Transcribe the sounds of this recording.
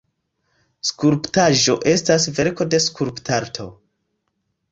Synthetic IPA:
skuɾptaʒo̞ʔe̞stas̬ve̞ɾko̞de̞skuɾptʰaɾtʰo̞̰

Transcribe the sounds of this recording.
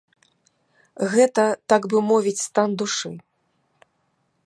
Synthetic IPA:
ɣɛt̪ɐt̪aɡbɨmɔvʲit͡sʲst̪and̪uʂɨ

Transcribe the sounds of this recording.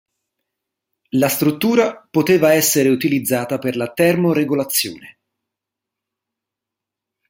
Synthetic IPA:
last̪ɾut̪ːuːɾapot̪eːvaɛsːeɾeut̪ilid̪zːaːt̪aperlat̪ɛrmoɾeɡolat̪sːjo̰ːne

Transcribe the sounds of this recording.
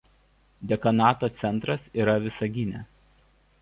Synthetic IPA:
d̪ʲɛkɐnɑːt̪oːt̪sʲɛnˑt̪ɾɐsiːˑɾɐʋʲɪsɐɡʲɪnʲɛ

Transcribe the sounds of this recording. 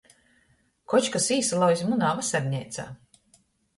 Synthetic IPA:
kɔt͡ʃkasiːsalˠɔwizʲmunaːvasɛɾʲɲʲɛjt̪sa̰ː

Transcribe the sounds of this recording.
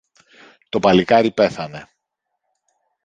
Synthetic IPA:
t̪opɐlikɐɾipe̞θɐne̞

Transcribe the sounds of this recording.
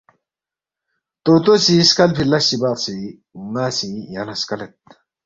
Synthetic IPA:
t̪oːt̪osiskɐlpʰilɐsibaːqsi | unaːsijanɐskɐlet̪̚

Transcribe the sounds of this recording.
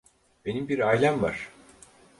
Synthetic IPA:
be̞nimbiɾajlʲˠanva̰ɾ̥

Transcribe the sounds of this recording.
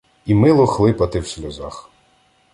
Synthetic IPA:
imɪlˠɔxlˠɪpɐt̪ɪwsʲlʲɔzɑx

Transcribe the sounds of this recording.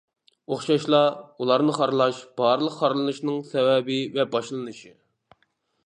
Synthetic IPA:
oχʃɑʃlˠɑulˠɑɾnɨχɑɾlˠɑʃb̥ɑɾlˠəqːɑɾlˠɨnɨʃnɨŋsɛvɛbɪvɛbɑʃlˠɨnɨʃi

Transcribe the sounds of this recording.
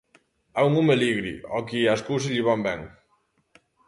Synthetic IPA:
auŋumeliɣɾḭɔkiaskuws̬iʎiβɔmbɛŋ

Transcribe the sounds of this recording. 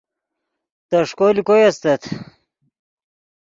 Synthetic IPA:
t̪ɐʂkolikojɐst̪ɐt̪ʰ

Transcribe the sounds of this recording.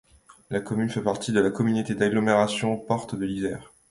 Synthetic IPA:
lakɔmynfɛpaʁt̪id̪əlakɔmynot̪ed̪aɡlɔmeʁasjɔ̃pɔʁt̪d̪əlizɛːʁ

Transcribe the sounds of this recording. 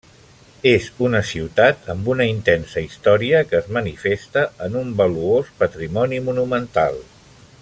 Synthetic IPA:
ezunəsiwt̪at̪ʰəmbunəint̪ɛnsəist̪ɔɾiəkəːzmənifest̪əənumbəluospət̪ɾimɔnimunumənt̪a̰lˠ

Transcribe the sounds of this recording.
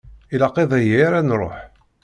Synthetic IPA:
ilɑqːeðˤæjiɾænɾˤo̰ħ

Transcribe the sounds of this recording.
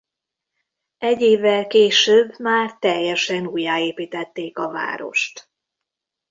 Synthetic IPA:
ɛɟːeːvːɛlkeːʃøːbmaːrt̪ɛjːɛʃɛnuːjːaːeːpiːt̪ɛt̪ːeːkɒva̰ːɾo̞̰ʃt̪

